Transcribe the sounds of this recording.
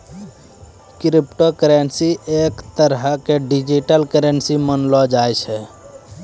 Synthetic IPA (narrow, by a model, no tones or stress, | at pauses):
kɾipʈokɾensiʔekt̪əɾɦkeɖid͡ʒiʈəlkəɾensimənlɔd͡ʒajt͡ʃʰɛ